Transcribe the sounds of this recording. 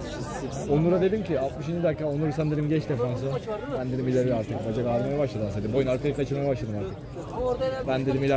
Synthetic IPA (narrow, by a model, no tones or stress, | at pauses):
onlːˠuɾad̪e̞d̪imciat̪̚mɯʃ̬ind͡ʒid̪akːaːonˠuɾsænd̪eɾimɟɛt͡ʃ̪ɛfons̬ʊbænd̪ed̪imilʲːeɾiaɾt̪ʰɯk̚bad͡ʒakaɾmajabaʃlˠad̪ɯmsed̪ibojunaɾkʰaj̪ɯkat͡ʃʰɯlˠmajabaʃ̬lˠad̪ɯmaɾt̪ʰɯk | bænd̪ed̪imilʲæ